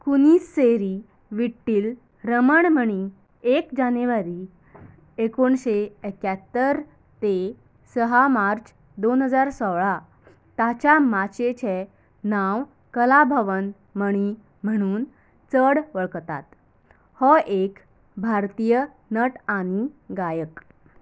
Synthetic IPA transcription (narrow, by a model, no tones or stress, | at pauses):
kuniːsːeɾi | ʋiʈːiːl | ɾəməɳm̤əɽ̃i | ekd͡ʑanuʋaɾiː | ekoɳɕeekjat̪ːəɾ | t̪e | səɦamaɾt͡ɕ | d̪onɦəd͡zaɾsɔʋɭa | t̪at͡ɕamat͡ɕet͡ɕʰe | naw | kəlabʱəʋən | məɽ̃i | m̤əɽ̃uːn | t͡səɽʋəɭkt̪a̰t̪ | hɔʔek | bʱaɾt̪ijə | nəʈaniɡajək